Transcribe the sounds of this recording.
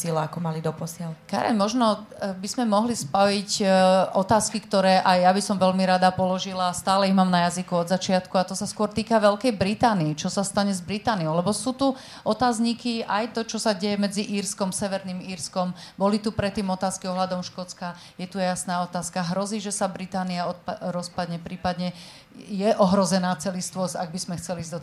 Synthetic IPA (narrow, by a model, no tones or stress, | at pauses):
silɛakɔmalid̪ɔpɔsɪalka̰ɾɛ̰ɲmɔʒnɔ | bizmɛmɔɦlispɔʋicʔɔt̪aːskikt̪ɔɾɛːʔajjabisɔmʋɛlmiɾad̪apɔlɔʒilaːst̪aːlɛiɦmaːmnajazikuɔd̪zat͡ʃɪat̪kuat̪ɔsaskʊɔɾt̪iːkaʋɛlkɛjbɾit̪aːniːt͡ʃɔsast̪aɲɛzbɾit̪aːniɔʊlɛbɔsuːt̪u | ʔɔt̪aːzɲikiʔajt̪ɔt͡ʃɔsaɟɛjɛmɛd͡ziʔiːɾskɔmsɛʋɛɾniːmiːɾskɔmbɔlit̪upɾɛt̪ːiːmɔt̪aːskiɔɦlad̪ɔmʃkɔt͡ska | jɛt̪ujɛjasnaːɔt̪aːskaɦɾɔziːʒɛsabɾit̪aːniaɔɾɔspad̪ɲɛpɾiːpad̪ɲɛ | jɛʔɔɦɾɔzɛnaːt͡sɛlist̪ʋɔsa̰ɡ̚bizmɛxt͡sɛliːzd̪ɔ